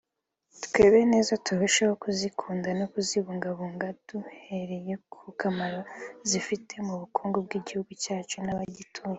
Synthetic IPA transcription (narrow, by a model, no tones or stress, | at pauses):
tke̞ːβeene̞ːzatuβeʃaho̞kuzikʰuːndano̞kuziβuːŋɡaβuːŋɡad̥uhe̞ɾe̞je̞kʰukamaɾazifitʰe̞muβukʰoːŋɡobɡiːɟihuɡucaːt͡ʃunaβaɟitʰue